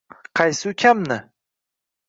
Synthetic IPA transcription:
qʰɑjsɪukʲʰamnɪ

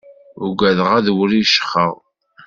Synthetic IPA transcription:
ʊɡæðʁæðwɾiʃə̥χə̰ðˤ

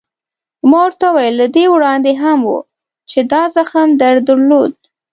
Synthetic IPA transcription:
mɑwəɾt̪awajəlːad̪ewɽɑnd̪eɦamwṵ | t͡ʃed̪ɑzaxamd̪aɾd̪əɾlod̪̚

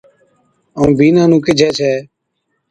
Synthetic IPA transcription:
əũːbiːnãːnũːkɪd͡ʒʱɛːt͡ʃʰɛː

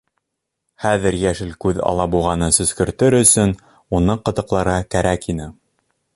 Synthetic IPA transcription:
χæðɘɾjæʃɘlkʉðɑ̰lˠɑbulˠʁɑnɤsɵ̆skɵ̆ɾt̪ɘɾɵ̆sɵn | unɤqɤ̆t̪ɤ̆qlˠɑɾɑkæɾækinɘ

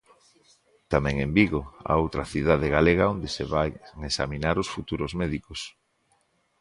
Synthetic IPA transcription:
t̪amɛ̃ŋembiɣoa̰owt̪ɾɐθiðað̞eɣaleɣaond̪eseβajŋesa̰minaɾosfut̪uɾozmɛðikos

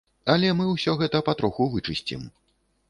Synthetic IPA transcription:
ɐlʲɛmɨwsʲɔɣɛt̪ɐpat̪ɾɔxuvɨt͡ʂɨsʲt͡sʲḭm

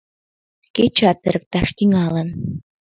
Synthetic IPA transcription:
ket͡ɕɑt̪ːɘɾɘ̆k̚t̪ɑʃt̪iŋɑlɤ̆n

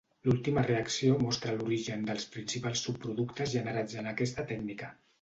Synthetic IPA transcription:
lulˠt̪iməreəksiomɔst̪ɾəluɾiʒənd̪əlˠspɾinsipalˠsːupːɾuðukt̪əzʒənəɾad͡zənəkɛst̪ət̪ɛɡnikə

